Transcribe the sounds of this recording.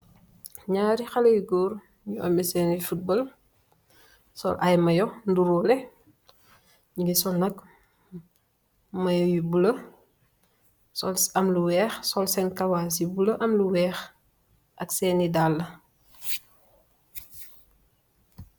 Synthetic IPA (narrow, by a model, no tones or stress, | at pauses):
ɲaːɾixɐlɐjuɡɔːɾ | ɲuʔɐ̰misɛːnifut̚bɔl | sɔ̰lʔɐjmɐjɔnduɾuːlɛ | ɲuɡisɔnɐk | mɐjɔjubulɐ | sɔlsɐmluwɛːxsɔlsɛnkɐwaːs̬jibulɐʔɐmluwɛːx | ʔɐksɛːnidalːɐ